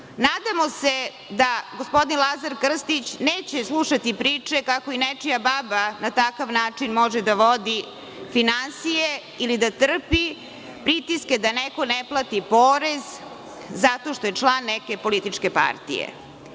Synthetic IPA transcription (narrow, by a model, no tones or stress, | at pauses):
naːd̪amo̞se | d̪aɡospo̞d̪inlˠazaɾkr̩st̪it͡ɕneːt͡ɕeslˠuʂat̪ipɾiːt͡ʂekako̞inet͡ʃijababanat̪akaʋnaːt͡ʂinmo̞ʒed̪aʋod̪i | finansije | ilid̪at̪r̩pi | pɾit̪isked̪aneko̞neplˠat̪ipoːɾezː | at̪o̞ʃt̪ojet͡ʂlˠanːeke̞po̞lit̪it͡ʂkepa̰ɾt̪ḭjḛ